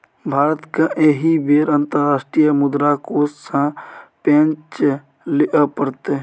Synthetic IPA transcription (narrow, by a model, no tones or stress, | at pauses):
bʱaːɾət̪kaʔeɦibeːɾənt̪əɾːaːsʈɾijəmʊd̪ɾakoːssãpẽnt͡ʃ | lɪʔəpəɾt̪e